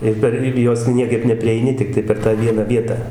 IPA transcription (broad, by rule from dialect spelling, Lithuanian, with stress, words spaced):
ɪr ˈpʲɛr ˈɪr joːs ˈnʲiɛkɐɪp nʲɛpʲrʲiɛɪˈnʲɪ tʲɪkˈtɐɪ pʲɛr tɑː ˈʋʲiɛnɐ ˈʋʲiɛtɑː